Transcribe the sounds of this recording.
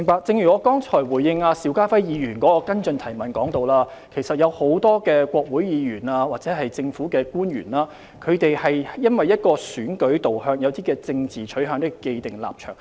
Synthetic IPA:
mɪ˨˩ŋpaː˧k̚t͡sɪ˧ŋjyː˨˩ɔː˨˧˥kɔː˥ŋt͡sʰɔː˨˩jwu˨˩jːɪ˧ŋaː˧siː˨˧˥wkaː˥fɐ˥jjiː˨˧jyː˨˩nkɔː˨˥kɔː˧kɐ˥nt͡sɵ˧nt̪ʰɐ˨˩jmɐ˨˩nkɔ̰ː˨˥ŋt̪o˨˧wlaː˥ | kʰe˨˩jsɐ˨t̚jɐ˨˧who˨˧˥wt̪ɔː˥kɛː˧kʷɔː˧k̚wuː˨˥jjiː˨˧jyː˨˩naː˧waː˨k̚t͡sɛː˨˥ɦɐ˨jt͡sɪ˧ŋfuː˨˥kɛː˧kuː˥njy̰˨˩naː˥ | kʰɵ˨˧ɥt̪e˨jhɐ˨jjɐ˥nwɐ˨jːɐ˥t̚kɔː˧syː˨˥nkɵ˨˥ɥt̪o˨whœː˧ŋjɐ˨˧wt̪iː˥kɛː˧t͡sɪ˧ŋt͡siː˨˩t͡ʃʰɵ˨˥ɦœː˧ŋt̪ɪ˥kke˧jt̪ɪ˨˩ŋla̰ː˨p̚t͡ʃʰœ̰ː˨˩ŋ

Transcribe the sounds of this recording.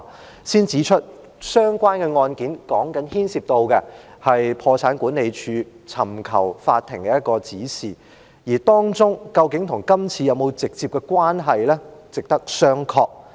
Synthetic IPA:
siː˥nt͡siː˨˥t͡ʃʰɵ˥t̚ | sœː˥ŋkʷaː˥nkɛ˧ŋɔː˧nkiː˨˥nkɔː˨˥ŋkɐ˨˥nhiː˥nsiː˧p̚t̪o˧wkɛ˧hɐ˨jpʰɔː˧t͡sʰaː˨˥nkuː˨˥nːe˨˧jt͡ʃʰyː˧ | t͡sʰɐ˨˩mkʰɐ˨˩wfaː˧t̪ʰːɪ˨˩ŋkɛ˧˥jɐ˥t̚kɔː˧t͡siː˨˥siː˨˩ | jiː˨˩t̪ɔː˥ŋt͡sʊ˥ŋkɐ˧wkɪ˨˥ŋt̪ʰʊ˨˩ŋkɐ˥mt͡sʰiː˧jɐ˨˧wmo˨˧wt͡sɪ˨k̚t͡siː˧p̚kɛ˧kʷwaː˥nɦɐ˨jlɛː˥t͡sɪ˨k̚t̪ɐ˥k̚sœː˥ŋkʰɔː˧k̚

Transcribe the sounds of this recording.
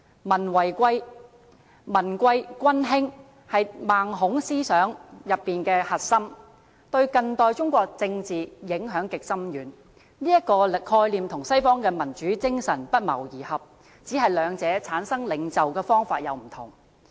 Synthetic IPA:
mɐ˨˩nwɐ˨˩jkʷɐ˧j | mɐ˨˩nkʷɐ˧jkʷɐ˥nɦɪ˥ŋ | hɐ˨jmaː˨ŋɦʊ˨˥ŋsiː˥sœː˨˥ŋjɐ˨pːiː˨nkɛː˧hɐ˨t̚sɐ˥m | t̪ɵ˧ɥkɐ˧ŋt̪ɔː˧jt͡sʊ˥ŋkʷɔː˧k̚t͡sɪ˧ŋt͡siː˨jɪ˨˥ŋɦœː˨˥ŋkɪ˨k̚sɐ˥mjyː˨˥n | liː˥jɐ˥t̚kɔː˧kʰɔː˧jliː˨mt̪ʰʊ˨˩ŋsɐ˥jfɔː˥ŋkɛː˧mɐ˨˩nt͡ʃyː˨˥t͡sɪ˥ŋsɐ˨˩npɐ˥t̚mɐ̰˨˩wjiː˨˩hɐ˨p̚ | t͡siː˨˥ɦɐ˨jlœː˨˧ŋt͡sɛː˨˥t͡sʰaː˨˥nsɐ˥ŋlɪ˨˧ŋt͡sɐ˨wkɛː˧fɔː˥ŋfaː˧t̚jɐ˨˧wm̩˨˩t̪ʰʊ̰˨˩ŋ

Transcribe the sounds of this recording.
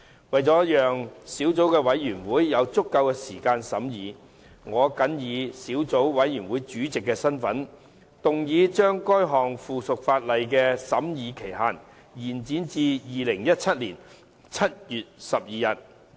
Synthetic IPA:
wɐ˨jt͡sɔː˨˥jœː˨ŋsiː˨˥wt͡so˨˥wkɛː˧wɐ˨˥jjyː˨˩nwuː˨˥jːɐ˨˧wt͡sʊ˥kːɐ˧wkɛː˧siː˨˩kaː˧nsɐ˨˥mjiː˨˧ | ŋɔː˨˧kɐ˨˥njiː˨˧siː˨˥wt͡so˨˥wwɐ˨˥jyː˨˩nwuː˨˥jt͡ʃyː˨˥t͡sɪ˨kːɛː˧sɐ˥nfɐ˨˥n | t̪ʊ˨ŋjiː˨˧t͡ʃœː˥ŋkɔː˥jɦɔː˨˩ŋfuː˨˩sʊ˨k̚faː˧t̚lɐ˨jkɛː˧sɐ˨˥mjiː˨˧kʰe˨˩jɦaː˨n | jiː˨˩nt͡siː˨˥nt͡siː˧jiː˨lɪ˨˩ŋjɐ˥t̚t͡sʰɐ˥t̚liː˨˩n | t͡sʰɐ˥t̚jyː˨t̚sɐ˨p̚jiː˨jɐ˨t̚

